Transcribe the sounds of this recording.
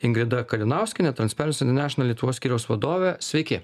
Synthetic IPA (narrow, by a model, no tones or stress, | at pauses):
ɪŋɡɾʲɪd̪ɐkɐlʲɪnɑˑʊsʲkʲɪnʲɛt̪ɾɐnspʲɛɾʲnsʲɛnʲɪnʲæːʃʲɪnɐlʲiɛt̪ʊʋoːssʲkʲiːɾʲɛʊsʋɐd̪oːʋʲɛsʲʋʲɛɪkʲɪ